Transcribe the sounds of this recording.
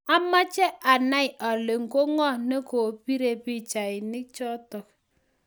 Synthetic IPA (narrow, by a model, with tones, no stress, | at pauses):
a˦ma˦t͡ʃɛ˦ʔa˨na˦i˨a˨le˨ŋ̩˨ko˦ŋɔ˦ne˦ko˨pi˦ɾe˨pi˦t͡ʃa˨i˨ni˦k̚t͡ʃɔ˦tɔ˨k̚